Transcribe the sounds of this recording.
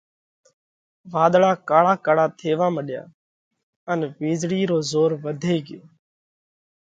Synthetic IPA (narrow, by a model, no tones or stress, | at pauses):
ʋaːɗ̪ɭaːkaːɭaːkaːɽaːt̪ʰeːʋaːməɗja̰ː | ənʋiːzɽiːɾoːzoːɾʋəd̪ʱeːɡeː